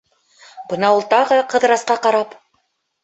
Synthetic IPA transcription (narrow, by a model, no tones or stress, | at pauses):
b̥ɤnɑulˠt̪ɑʁɤqɤ̆ðɾɑsqɑqɑɾɑp